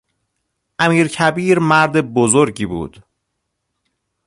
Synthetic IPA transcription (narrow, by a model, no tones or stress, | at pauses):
ʔæmiːɾcʰæbiːɾmæɾd̪e̞bozoɾɟiːbṵːd̪̥